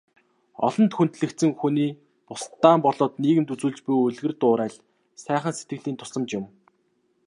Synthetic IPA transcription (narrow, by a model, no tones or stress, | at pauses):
ɔ̰ɮɞ̆nt̪xunt̪ɮɘ̆kt̪sɘ̆ŋxuniː | pʊst̪ːaːmpɔɮɔːt̪niːɣɘ̆mt̪ut͡suːɮt͡ɕpujɵɮɣɘ̆rt̪ʊːɾæːɮ | sæːχə̆nset̪ɡɘ̆ɮiːnt̪ʰʊ̥sə̆mt͡ɕjʊ̆m